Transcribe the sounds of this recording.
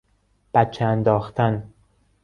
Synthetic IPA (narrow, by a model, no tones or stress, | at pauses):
b̥æt̪̚t͡ʃʰeænd̪ɒːxt̪ʰæn